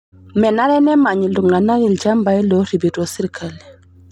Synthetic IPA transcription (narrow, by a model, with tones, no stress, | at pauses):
mɛ˨na˦ɾɛ˦nɛ˦ma˨ɲi˨lu˨ŋɡa˨na˦ɣi˨ld͡ʒa˦mba˨˦i˦lo˨˦ɾi˨bi˨to˨si˦ɾkʰa˨l